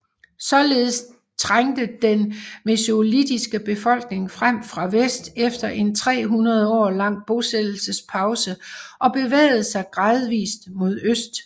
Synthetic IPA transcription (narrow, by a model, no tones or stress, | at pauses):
sɒ̽le̝ːð̞̩ˠs | t͡sʰʁaŋ̰d̥əd̥enmeslid̥isɡ̥əb̥e̝fɒ̽l̰ɡ̥ne̝ŋfʁam̰fʁɑ̈ʋesd̥efd̥ɐʔe̝nt͡sʰʁɛ̰ːɦunɐð̞ˠəɒ̰ːlɑ̈ŋ̰b̥o̝sed̥l̩səspʰɑ̈ʊsəʔɒ̽b̥e̝ʋḛːɪð̞̩ˠsɑ̈ɪɡ̥ʁɑ̈ːð̩ˠʋḭːsd̥mo̝ð̞ˠøsd̥